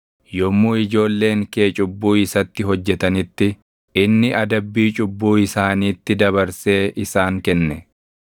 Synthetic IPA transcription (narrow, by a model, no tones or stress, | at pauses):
jɔmːuːɪd͡ʒo̞ːlːe̞ːŋke̞ːt͡ʃʼʊbːuːɪsɐt̪ːɪɦɔd͡ʒːɛt̪ɐnɪt̪ːɪ | ɪnːɪʔɐd̪ɐbːiːt͡ʃʼʊbːuːɪsaːniːt̪ːɪd̪ɐβɐɾse̞ːʔɪsaːŋkɛnːɛ